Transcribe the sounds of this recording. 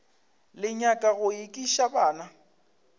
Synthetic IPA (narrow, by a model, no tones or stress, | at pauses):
lɪɲakʼaɣʊikʼiʃabaːna